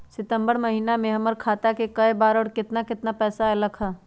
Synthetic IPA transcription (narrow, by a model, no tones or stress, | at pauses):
sɪt̪ə̃mbəɾməɦinamẽɦəməɾkʰaːt̪akekəebaːɾɔːɽɾkɪt̪nakɪt̪napɛːsaɦɛləkʰa